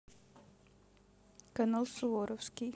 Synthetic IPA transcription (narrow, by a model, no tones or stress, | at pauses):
kənəlˠsoːɾɔfski